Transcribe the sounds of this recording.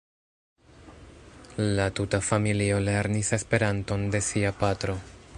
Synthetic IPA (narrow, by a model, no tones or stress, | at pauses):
latutafamilio̞le̞ɾnise̞spe̞ɾanto̞nde̞siapatɾo̞